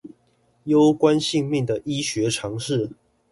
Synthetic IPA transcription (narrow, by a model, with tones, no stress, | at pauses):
jo˦˥ʊkwa˦nɕi˥˧ŋmi˥˩ŋd̪ə˩ʔi˦˥ɕɥɛ˨˦ʈ͡ʂʰɑ˧˥ŋʂɻ̩˥˨